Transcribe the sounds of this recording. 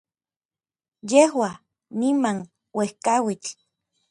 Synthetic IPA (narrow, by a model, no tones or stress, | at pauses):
jehwa | nimaŋ | wehkawit͡ɬ